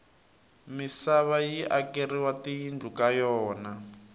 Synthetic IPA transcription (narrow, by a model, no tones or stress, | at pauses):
misaβajiʔakeriwatijind͡ɮʱukajɔːna